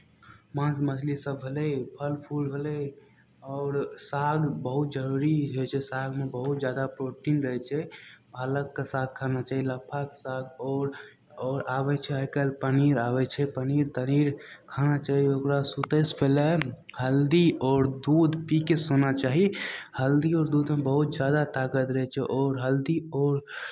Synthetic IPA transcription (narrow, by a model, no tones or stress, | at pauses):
mãsmət͡ʃʰlisəbɦeləipʰəlpʰulbʱelə | ɔːɾsaɡbəɦut̪̚d͡ʒəɾuɾid͡ʒojt͡ʃʰɛsaɡmebəɦut̪̚d͡ʒjad̪apɾoʈinɾəɦɛt͡ʃʰɛbʱaləkːesaɡ̚kʰːanat͡ʃaːɦiləpʰːakesaɡɔɾ | ɔːɾabɛt͡ʃʰɛɦəkəlpəniɾabɛt͡ʃʰɛpəniɾt̪əniɾkʰanat͡ʃaːɦiokɾasut̪əspʰelɛ | həld̪iɔːɾd̪ud̪pikesonat͡ʃaɦihəld̪iɔːɾd̪ud̪mebəɦut̪̚d͡ʒjad̪at̪aɡət̪ɾəɦɛt͡ʃʰɛʔɔːɾɦəld̪iɔːɾ